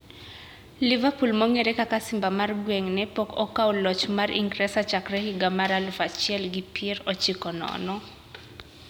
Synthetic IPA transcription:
livapulmɔŋɛɾɛkakasimbamarɡwɛŋnɛpɔkɔkaolɔt͡ʃmaɾʔḭŋɡɾɛsat͡ʃakrɛhiɡamaɾalufat͡ʃiɛlɡipɛɾɔt͡ʃikɔnɔ̰nɔ

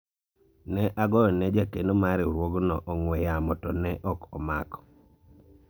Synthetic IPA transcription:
nɛʔaɡɔjɔnɛd͡ʒakenomaɾɪoɾwoɡnɔʔɔŋwɛjamɔtɔnɛʔɔkɔmakɔ̥

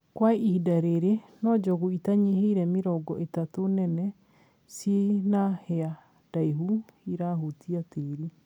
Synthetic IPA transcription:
kwaihidaɾeɾenɔd͡ʒɔɣuitaɲiɦiɾɛmeɾɔɡɔ̰ʔetatonɛnɛ | senahɛa | d̥aiɦuiɾaɦotiateɾi

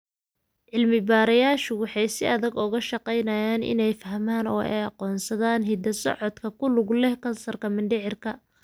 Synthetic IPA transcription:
ʕɪlmɪbaːɾɐjaːʃʊwɑħɑjsɪʔɐðɐɡʊɣɐʃɑqɛjnɐjaːnʔɪ̰nɛjfɐɦmaːnɔːɛ̰jɑqɔːnsɐðaːnɦɪd̪ɐsɔ̰ʕɔd̪kʰɐkʰʊlʊɡlɛhkʰɐnsɐrkʰɐmɪnɖɪʕɪrkʰɐ

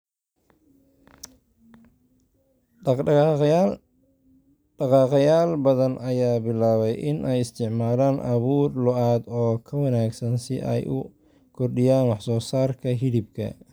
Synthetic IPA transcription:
ɑqɑːqjaːlbɐðɐnʔɐjaːbɪlaːβɛjʔɪnʔɛjɪst̪ʰɪʕmaːlaːnʔɐβuːrlɔʔaːd̪ɔːkʰɐwɐnaːɡsɐnsɪʔɛ̰jʔʊ̰ | kʰɔrɖɪjaːnwɑħsɔːsaːrkʰɐɦɪlɪbkʰɐ̰

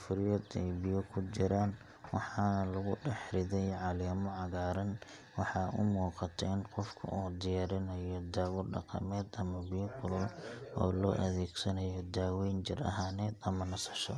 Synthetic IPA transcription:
fʊɾjɔd̪ɛjbɪjɔkʰʊt͡ʃɪɾaːn | wɑħɑːnɐlʊɣʊɖɛħɾɪðɛjʕɑliːmʊʕɑɣaːɾɐn | wɑħɑːʔʊ̰muːqɑt̪ʰɐɪnqɔfkʰɐ̰ʔuːd̪ɪjaːɾɪnɐjɔd̪aːwʊɖɑ̰qɑ̰mɛːd̪ɐmɐbɪjɔkʰʊlʊlʔɔ̰ːlɔːʔɐðɛːɡsɐnɐjɔd̪aːwɛnd͡ʒɪrɐ̰ɦaːnɛːd̪ɐmɐnɐsɐ̥ʃɔ̰

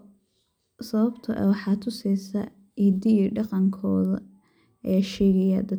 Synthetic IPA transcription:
sɐβɐbt̪ʰɐʔɛ̰wɑħɑːt̪ʰʊsɛjsɐ | ʔid̪ɪɖɑqɑŋkʰɔːðɐ | ɛːʃɛːɣɐjɐ̰d̪ɐ

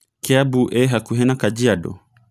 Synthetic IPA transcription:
kɛabuʔɛɦakuɦɛnakad͡ʒiadɔ̰

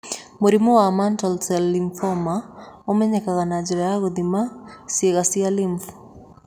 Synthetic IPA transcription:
moɾimowamantɔlsɛlːiɱfɔmaomɛɲɛkaɣanad͡ʒiɾajaɣod̪imaseɣasialiɱf

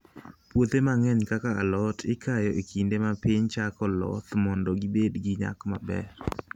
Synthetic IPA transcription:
pwot̪emaŋɛɲkakaalɔtʰɪkʰajɔʔekʰindemapɪɲt͡ʃakɔlɔ̰t̪mɔndɔɡɪbedɡɪɲa̰kma̰bɛ̰ɾ

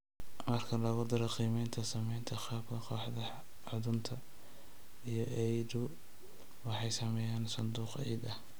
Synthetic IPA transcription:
mɐrkʰɐlɐɣʊd̪ɪɾɐqiːmɛjnt̪ʰɐsɐmɛjnt̪ʰɐqɑːbkʰɐqɔːħd̪ɐ | ʕʊðʊnt̪ʰɐ | ijɔʔɛjdʊ | wɑħɑjsɐmɛːjaːnsɐnd̪uːqɛjd̪ɐh

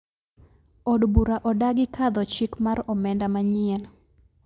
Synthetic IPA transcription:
ɔdbuɾaʔɔdaɡɪkʰad̪ɔt͡ʃikmaɾɔmɛndamaɲɪɛn

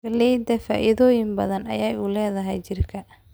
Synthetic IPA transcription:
ɐlɛjd̪ɛfa̰ːʔɪðɔːjɪmbɐðɐnɐ̰jɛːjuːlɛːðɐɦɛjt͡ʃɪrkʰɐ

